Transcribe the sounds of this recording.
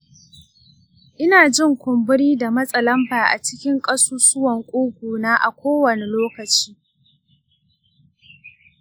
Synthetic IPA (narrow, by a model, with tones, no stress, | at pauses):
ʔɪ˦naː˨d͡ʒɪ˦ŋkʷʊ˨mbʊ˦ɽiː˦da˨mɐ˦sʼɐ˨lɐ˦mbaː˨ʔa̰˨t͡ʃɪ˦kʲɪ˦ŋkʼɐ˦suː˦sʊ˦wɐ˨ŋkʷʼuː˦ɡʷuː˨naː˦ʔa˨kʷoː˦wɐ˨ne˨loː˦kɐ˨t͡ʃiː˦